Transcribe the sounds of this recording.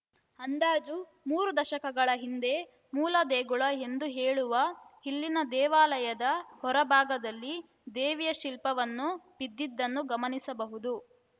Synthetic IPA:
ɐnd̪aːd͡ʒu | muːɾud̪ɐʃɐkɐɡɐɭɐɦind̪e̞ | muːlɐd̪eːɡuɭɐɦe̞nd̪uɦeːɭuʋɐhilːinɐd̪ɛːʋaːlɐjɐd̪ɐhɔɾɐbʱaːɡɐd̪ɐlːi | d̪eːʋijɐʃilpɐʋɐnːubid̪ːid̪ːɐnːuɡɐmɐnisɐbɐɦud̪u

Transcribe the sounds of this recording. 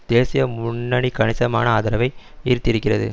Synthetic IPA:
d̪̥eːsɪjɐmʊɳːɐɳikɐɳɪsɐma̰ːnɐaːðɐɾɐʋɐɪ | ɪɾɯt̪ːɪɾɯkːɪrɐðɯ̰

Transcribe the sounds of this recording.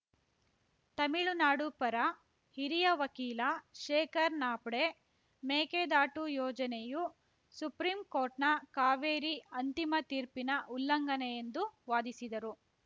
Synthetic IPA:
t̪ɐmiɭunaːɽupɐɾɐ | hiɾijɐʋɐkiːlɐʃeːkɐɾnaːpɽe | meːkeːd̪aːʈujɔːd͡ʒɐneju | supɾiːmkoːɾʈnɐkaːʋeːɾiɐnt̪imɐt̪iːɾpinɐʔulːɐŋɡɐnejend̪uʋaːd̪isid̪ɐɾu

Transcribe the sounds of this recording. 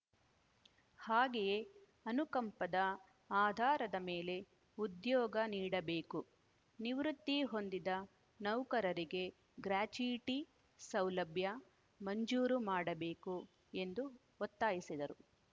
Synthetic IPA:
haːɡeje̞ | ɐnukɐmpɐd̪ɐ | aːd̪ʱaːɾɐd̪ɐme̞ːle̞ | ud̪jɔːɡɐniːɽɐbe̞ːku | niʋɾut̪ːiɦo̞nd̪id̪ɐ | nɐwkɐɾɐɾiɡe̞ | ɡɾaːt͡ʃujʈi | sɐwlɐbʱjɐ | mɐɲd͡ʒuːɾumaːɽɐbeːku | e̞nd̪u | ot̪ːaːjisid̪ɐɾu

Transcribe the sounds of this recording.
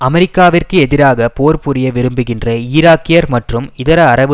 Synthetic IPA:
ʔɐmɛɾɪkːaːʋɪrkɯɛðɪɾaːɣɐpoːɾpʊɾɪjɐʋɪɾɯmbɯɣɪndrɐɪːɾaːkːɪjɐɾmɐʈrɯmɪðɐɾɐɐɾɐʋɯ

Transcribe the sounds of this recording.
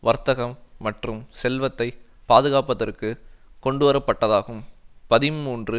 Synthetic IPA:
ʋɐɾt̪ɐɣɐmːɐʈrɯmsɛlʋɐt̪ːɐɪ | paːðɯɣaːpɐðɐrkɯkɔɳɖɯʋɐɾɐpːɐʈːɐðaːɣɯmpɐðɪmːuːndrɯ

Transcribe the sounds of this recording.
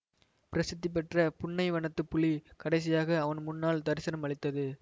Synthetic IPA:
pɪɾɐsɯt̪ːip̬ɛʈrɐpʊɳːɐɪʋɐɳɐt̪ːɯpʊɭikɐɽɐɪs̬ɪjaːɣɐːʋɐnmʊnːaːlt̪ɐɾɪsɐnɐmɐɭɪt̪ːɐðɯ

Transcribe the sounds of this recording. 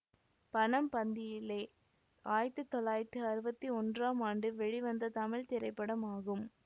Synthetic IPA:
pɐɳɐmpɐnd̪ɪjɪlːeː | aːjɪɾt̪ːɯt̪ɔlːaːjɪɾt̪ɯɐɾɯbɐt̪ːiɔndraːmaːɳɖɯʋɛɻiʋɐnd̪ɐt̪ɐmɪlt̪ɪɾɐɪpːɐɽɐmaːɣɯm

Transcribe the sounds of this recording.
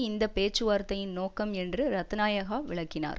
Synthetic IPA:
ɪnd̪ɐpeːt͡ʃːɯʋaːɾt̪ːɐjɪnnoːkːɐmɛndrɯɾɐt̪ːɐnaːjɐɣaːʋɪɭɐkːɪna̰ːɾ

